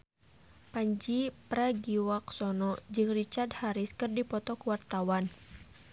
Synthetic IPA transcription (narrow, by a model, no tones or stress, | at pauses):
paɲd͡ʒipɾaɡiwaksɔnɔd͡ʒɨŋrit͡ʃard̪haɾiskɨrdipɔt̪ɔkuwart̪awan